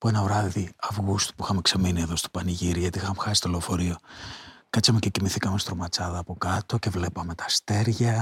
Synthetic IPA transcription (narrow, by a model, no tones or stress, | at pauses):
pue̞nɐvɾɐðiɐvɣust̪u̥puixɐmekseminie̞ðo̞st̪o̥pɐniʝiɾiʝɐt̪ixɐmexɐsi̥t̪olefo̞ɾio̞kɐt͡sɐmececimiθikɐmest̪ɾomɐt͡sɐðɐːpo̞kɐt̪o̞ce̞vle̞pɐme̞t̪ɐ̥st̪e̞ɾʝɐ